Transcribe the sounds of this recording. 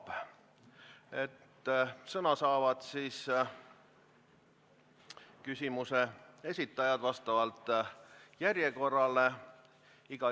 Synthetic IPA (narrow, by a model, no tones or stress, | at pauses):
et̪ːsɤnɑsɑːvɑd̪siːs | kysʲimusee̞sʲit̪ːˑɑjɑd̪̥vɑst̪ɑvɑlt̪ːˑ | jærjeko̞rːɑle | iɡ̥ɑ